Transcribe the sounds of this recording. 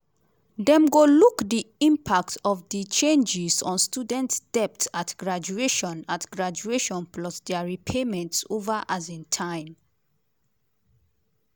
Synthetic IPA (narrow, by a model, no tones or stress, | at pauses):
dɛ̃mɡolukdiĩmpʰak̚tʰɔvdit͡ʃẽnd͡ʒɪzɔ̃nstudɛ̃ntsd̥ɛp̚tatɡ̥ɹad͡ʒueʃɔ̃natɡ̥ɹad͡ʒueʃɔ̃npʰlɔsdɛɹipʰemɛ̃ntsovəʔazĩntʰãɪ̃m